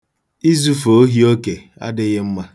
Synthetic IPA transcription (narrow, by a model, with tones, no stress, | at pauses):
i˦zu˦fo˨o˦ɦi˦o˦ke˨ | a̰˦dɪ˦ɣɪ˦m̩˦ma˦